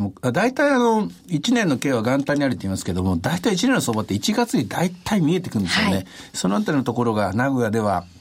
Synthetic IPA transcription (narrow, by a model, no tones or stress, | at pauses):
moad̪ait̪aiano̞it͡ɕinẽnːo̞ke̞ːβaɡãnt̪ãɲ̟iaɾɯ̟t̪ːoimasɨ̥ke̞d̪o̞mo̞d̪ait̪aiːt͡ɕinẽ̞nːosoːbat̪ːe̞it͡ɕiɡat͡sɨɲ̟id̪ait̪ʰaimʲie̞t̪e̞kɯ̟̃nd̪e̞sɨijonesonoat̪aɾʲinot̪oko̞ɾo̞ɡanaɡo̞jad̪e̞β̞a